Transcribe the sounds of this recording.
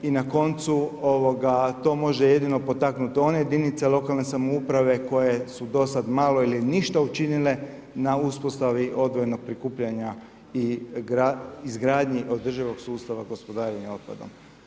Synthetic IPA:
inako̞nt̪suo̞ʋo̞ɡat̪o̞ːmo̞ʒeje̞d̪ino̞po̞t̪aknut̪io̞nejed̪init̪selo̞kalˠne̞samoupɾaʋe̞ko̞je̞sud̪o̞sad̪maːlo̞iliniʃt̪aut͡ʃinile̞ | nauspo̞st̪aʋiʔo̞d̪ʋo̞jno̞ɡ̥̚pɾikuːpʎaɲa | iɡɾaizɡɾaːd̪ɲiʔo̞d̪r̩ʒiʋo̞ɡsuːst̪aʋaɡo̞spod̪aːɾenio̞t̪̚pa̰d̪o̞̰m

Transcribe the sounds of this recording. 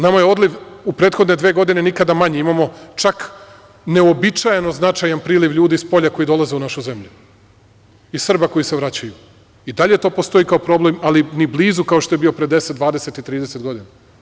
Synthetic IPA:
namajeo̞d̪liʋupɾe̞ːt̪xo̞d̪ne̞d̪ʋeːɡo̞d̪ine̞nikad̪amaɲeimamot͡ʃak | ne̞obit͡ʃajeno̞znat͡ʃajanpɾiːliʋʎuːd̪ispo̞ʎako̞jid̪o̞lˠazeunaʃuze̞mʎu | isr̩bako̞jise̞ʋɾat͡ɕaju | id̪aʎe̞t̪o̞ːpo̞st̪o̞ikaopɾo̞ble̞malinibliːzukao̞ʃt̪o̞jebio̞pɾed̪e̞set̪d̪ʋaːd̪ese̞t̪it̪ɾiːd̪ese̞t̪ɡo̞d̪ina

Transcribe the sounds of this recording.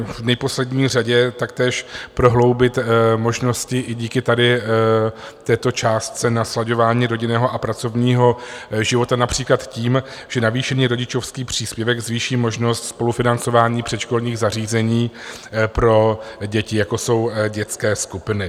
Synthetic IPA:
vnɛpo̞slɛdɲiːr̝aɟɛt̪akt̪ɛːʃpɾo̞ɦlo̞wbɪt̪mo̞ʒno̞scɪʔɪɟiːkɪt̪adɪ | t̪ɛːt̪o̞t͡ʃaːst̪̚t͡sɛnaslaɟo̞vaːɲiːɾo̞ɟɪnɛːɦo̞ʔapɾat͡so̞vɲiːɦo̞ʒɪvo̞t̪anapr̝̥iːklat̪ciːm | ʒ̥ɛnaviːʃɛɲiːɾo̞ɟɪt͡ʃo̞fskiːpr̝̥iːspjɛvɛɡzviːʃiːmo̞ʒno̞st̪spo̞lufɪnant͡so̞vaːɲiːpr̝̥ɛt̪ʃko̞lɲiːɣzariːzɛɲiːpɾo̞ɟɛcɪjakoso̞wɟɛt͡skɛːskupɪnɪ

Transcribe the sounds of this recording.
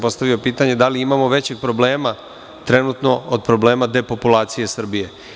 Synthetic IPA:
po̞st̪aʋio̞piːt̪aɲe̞d̪aliimamo̞ʋe̞t͡ɕe̞ɡ̚pɾo̞bleːma | t̪ɾe̞nut̪no̞od̪̚pɾo̞ble̞ːmad̪e̞po̞pulˠaːt̪sije̞sr̩bije̞

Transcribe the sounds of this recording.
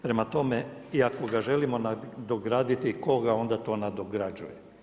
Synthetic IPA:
pɾe̞mat̪o̞meiako̞ɡaʒe̞limo̞nad̪oɡɾaːd̪it̪iko̞ɡao̞nd̪at̪o̞ːnad̪oɡɾad͡ʒuje

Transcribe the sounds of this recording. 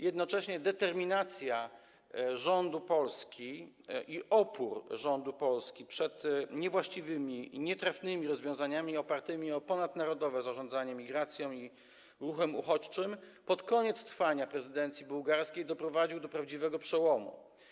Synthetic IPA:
jɛd̪nɔt͡ʂɛɕɲɛd̪ɛt̪ɛɾmʲinat̪sʲja | ʐɔnd̪upɔlskʲi | iʔɔpuɾʐɔnd̪upɔlskʲipʂɛt̪ɲɛvwaɕt͡ɕivɘmʲiɲɛt̪ɾafnɘmʲiɾɔzvʲjɔ̃w̃zaɲamʲiɔpaɾt̪ɘmʲiɔpɔnad̪naɾɔd̪ɔvɛzaʐɔ̃nd̪zaɲɛmʲiɡɾat̪sʲjɔ̃w̃i | ɾuxɛmṵxɔt͡ɕt͡ʂɘmpɔt̪kɔɲɛt̪st̪ɾfaɲapɾɛzɘd̪ɛnt̪sʲjibuwɡaɾskʲejd̪ɔpɾɔvad͡ʑiwd̪ɔpɾavd͡ʑivɛɡɔpʂɛwɔmṵ

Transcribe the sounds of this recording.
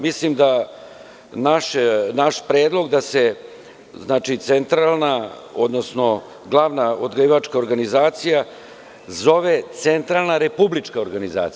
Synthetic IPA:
mislimd̪a | naʃenaʃpɾeːd̪lˠo̞ɡd̪ase̞ | znaːt͡ʃit̪sent̪ɾalˠna | od̪nosno̞ | ɡlˠaʋnaod̪ɡiʋat͡ʂkao̞ɾɡanizaːt̪sija | zo̞ʋet̪sent̪ɾalˠnaɾe̞publit͡ʂkaoɾɡaniza̰ːt̪

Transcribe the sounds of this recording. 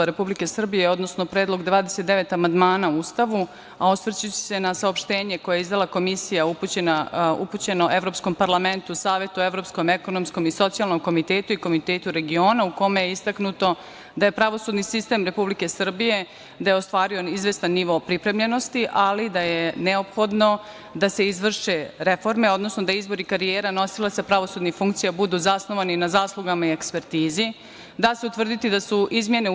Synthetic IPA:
ɾepublike̞sr̩bije̞o̞d̪no̞snopɾeːd̪lˠo̞ɡd̪ʋaːd̪eset̪d̪e̞ʋe̞t̪amand̪maːnauust̪aʋu | aosʋrt͡ɕit͡ɕe̥se̞nasaopʃt̪e̞ːɲe̞ko̞jeizd̪alako̞misijauput͡ɕenaṵput͡ɕe̞noʔe̞ʋɾo̞psko̞mpaɾlˠame̞nt̪uusaːʋje̞t̪ue̞ʋɾo̞psko̞me̞ko̞nomsko̞miso̞t̪sialˠno̞mko̞mit̪eːt̪uiko̞mit̪eːt̪uɾe̞ɡio̞ːnauko̞mejeist̪aknut̪o̞ | d̪aje̞pɾaʋo̞sud̪nisist̪e̞mɾe̞publike̞sr̩bije̞ | d̪ajeost̪ʋaːɾio̞izʋest̪anːiʋo̞ːpɾipɾe̞mʎe̞no̞st̪iʔalid̪ajeneopxo̞d̪no̞ | d̪ase̞izʋr̩ʃeɾefo̞ɾme̞o̞d̪no̞snod̪aizbo̞ɾikaɾijeːɾano̞silaspɾaʋo̞sud̪nifuŋkt̪sijabud̪uzasno̞ʋaninazaːslˠuɡamaiekspe̞ɾt̪iːzi | d̪aseut̪ʋr̩d̪it̪id̪asuizmje̞ne̞

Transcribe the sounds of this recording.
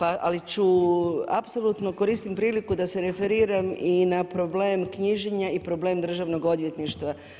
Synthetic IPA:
paʔa̰lit͡ɕua̰psolut̪nokoɾiːst̪impɾiːlikud̪ase̞ɾe̞fe̞ɾiːɾaminapɾo̞bleːmkɲiʒeɲaipɾo̞ble̞ːmd̪r̩ʒaʋno̞ɡod̪ʋje̞t̪niʃt̪ʋa

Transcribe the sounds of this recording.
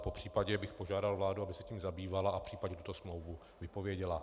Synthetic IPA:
po̞pr̝̥iːpaɟɛbɪxpo̞ʒaːdalvlaːduabɪsɛciːmzabiːvalaʔapr̥iːpaɟɲɛt̪ut̪o̞smlo̞wvu | vɪpo̞vjɛɟɛla

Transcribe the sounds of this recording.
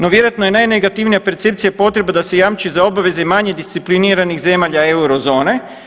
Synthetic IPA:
no̞ʋjeɾoat̪nojenajneɡat̪iʋnijape̞ɾt̪se̞p̚t̪ijapo̞t̪ɾe̞bad̪ase̞jamt͡ʃizao̞baʋe̞ze̞maɲe̞d̪ist̪sipliniːɾanixze̞maːʎae̞uɾo̞zo̞ːne̞

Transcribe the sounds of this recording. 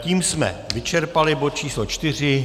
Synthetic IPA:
ciːmsmɛ̰vɪt͡ʃɛɾpalɪbot̪̚t͡ʃiːslot͡ʃt̪ɪr̝ɪ

